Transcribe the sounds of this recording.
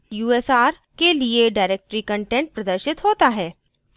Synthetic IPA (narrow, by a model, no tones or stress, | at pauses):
juːɛsaːɾ | kelieɖaːɾeːk̚ʈɾikə̃ɳʈɛ̃ɳʈ̚pɾɐd̪əɾʃɪt̪ɦoːt̪aɦɛː